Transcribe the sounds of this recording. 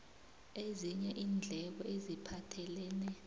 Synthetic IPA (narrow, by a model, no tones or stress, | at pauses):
eziɲɛʔiːnd͡ɮʱɛk̬ɔʔezipʰatʰɛlɛːnɛ